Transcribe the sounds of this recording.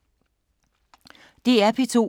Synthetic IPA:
d̥e̝æpʰit͡sʰo̝̰

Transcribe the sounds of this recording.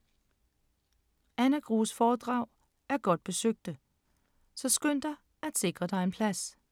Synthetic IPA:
ænəɡ̥ʁuːsfɒːd̥ʁɑ̈ʊ̰ | æɐɡ̥ɒ̽d̥̚b̥e̝søɡ̥̚d̥ə | sɒ̽sɡ̥øn̰d̥ɐ | æd̥se̝ɡ̥ʁɐd̥ɑ̈ɪenpʰlæs

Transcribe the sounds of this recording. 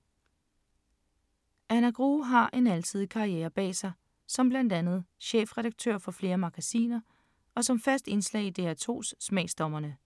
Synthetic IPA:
ʔænæɡ̥ʁuːɦɑ̈ʔe̝nælt͡sʰið̰ˠkʰɑ̈ieːɐb̥ɛ̰ːsɑ̈ɪ | sɒ̽mb̥læn̰d̥ænð̞̩ˠɕeːfʁɛɾ̥ɑ̈ɡ̥̚t͡sʰø̰ɐ̰fɒ̽fle̝ːɐmɑ̈ɡ̥æsḭːnɐ | ɒ̽sɒ̽mfæsd̥e̝nslɛ̰ːid̥e̝æt͡sʰo̝̰ːsːmɛɪsd̥ɒ̽mɐnə

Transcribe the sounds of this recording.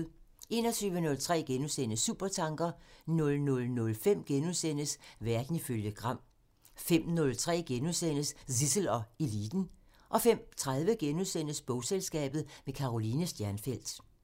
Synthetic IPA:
e̝ːnɒ̽t͡sʰyːʋənɔ̽lt͡sʰʁɛ̰ːɡ̥enusen̰əsṵːb̥ɐt͡sʰɑ̈ŋɡ̥ɐnɔ̽lnɔ̽lnɔ̽lfem̰ɡ̥enusen̰əsʋæɐd̥n̩iføljəɡ̥ʁɑ̈m̰ | fem̰nɔ̽lt͡sʰʁɛ̰ːɡ̥enuðˠsen̰əssisl̩ɒ̽e̝lḭːd̥n̩ | ʔɒ̽fem̰t͡sʰʁað̞ˠʋəɡ̥enuðˠsen̰əsb̥ɔʊselsɡ̥ɛ̰ːb̥ð̩ˠmekʰɑ̈ʁoliːnəsd̥jæɐnfel̰d̥

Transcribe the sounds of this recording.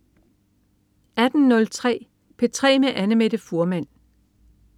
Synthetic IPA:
æd̥n̩nːɔ̽lt͡sʰʁɛ̰ː | pʰe̝t͡sʰʁɛ̰ːmeʔænəmed̥əfoɐmæn̰

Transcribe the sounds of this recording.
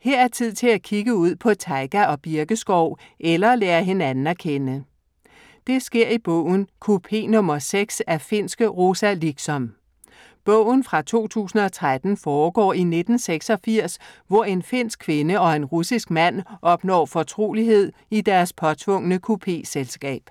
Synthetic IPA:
heɐ̰æɐt͡sʰið̞̰ˠt͡sʰe̝lækʰiɡ̥əuð̞̰ˠpʰɒ̽t͡sʰɑ̈ɪɡ̥æɒ̽b̥iɐɡ̥əsɡ̥ɒʊ̰ | ʔelɐlɛːɐɦe̝nænn̩æɐkʰenə | d̥e̝sɡ̥e̝ɐ̰ib̥ɔ̰ʊ̰n̩kʰupʰe̝̰ːnɔ̽mɐseɡ̥sæɐfe̝n̰sɡ̥əʁosæliɡ̥sɒ̽m | b̥ɔʊ̰n̩fʁɑ̈t͡sʰo̝̰ːt͡sʰṵːsn̩ɒ̽t͡sʰʁad̥n̩fɒːɡ̥ɒ̰ːine̝d̥n̩seɡ̥sɒ̽fiɐ̰sʋɒe̝nfe̝n̰sɡ̥̚kʰʋe̝nəɒ̽e̝nʁusisɡ̥̚mæn̰ʔɒ̽b̥nɒ̰ːfɒt͡sʰʁo̝̰ːliɦe̝ð̰ˠ | id̥æɐspʰɒ̽t͡sʰʋɔ̽ŋ̰ənəkʰupʰe̝̰ːselsɡ̥ɛ̰ːb̥

